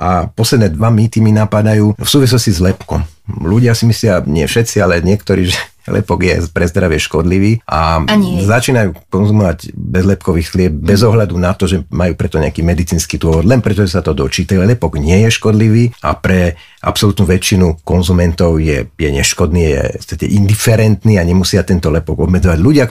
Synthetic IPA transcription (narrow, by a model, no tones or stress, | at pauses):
ʔapɔslɛd̪nɛːd̪ʋamiːt̪iminapad̪ajuːfsuːʋis̬lɔscizlɛpkɔ̰m | luɟɪasimislɪaɲɪɛfʃɛt̪t͡sialɛɲɪɛkt̪ɔɾḭːʒɛ | lɛ̰pɔɡjɛ̰pɾɛzd̪ɾaʋɪɛʃkɔd̪liʋiːʔazat͡ʃiːnajuːkɔnzumɔʋaɟbɛzlɛpkɔʋiːxxlɪɛb̚bɛzɔɦʎad̪unat̪ɔʒɛmajuːpɾɛt̪ɔɲɛakiːmɛd̪it͡siːnskiːd̪ʊɔʋɔd̪lɛnpɾɛt̪ɔʒɛsat̪ɔd̪ɔt͡ʃiːt̪alɛpɔɡɲɪɛjɛʃkɔd̪liʋiːapɾɛ | ʔa̰psɔlut̪nuːʋɛt͡ʃinukɔnzumɛnt̪ɔʊjɛ̰jɛɲɛʃkɔd̪niːajɛ̰st̪acɛ̰ʔind̪ifɛɾɛnt̪niːaɲɛmusɪat̪ɛnt̪ɔlɛpɔɡɔbmɛd͡zɔʋaɟluɟɪa